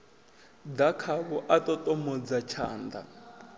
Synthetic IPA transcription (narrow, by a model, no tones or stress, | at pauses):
d̪akʰaβɔʔatʼɔtʼɔmɔd͡zat͡ʃʰa̰ːnd̪a̰